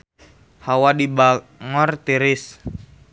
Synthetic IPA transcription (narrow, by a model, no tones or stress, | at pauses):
hawadiba | ŋɔrt̪iɾis